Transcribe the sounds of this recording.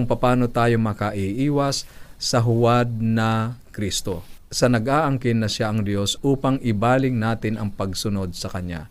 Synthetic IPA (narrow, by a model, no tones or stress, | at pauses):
ʊŋpɐpaːnot̪aːjo̞mɐkɐʔɪʔiːwɐsːɐɦʊwad̪̚nɐkɾist̪osɐnɐɡʔaːʔɐŋkɪnːɐʃaʔɐŋd̪jo̞sʔuːpɐŋɪbaːlɪŋnaːt̪ɪnɐŋpɐɡsʊno̞d̪̚sɐkɐɲja̰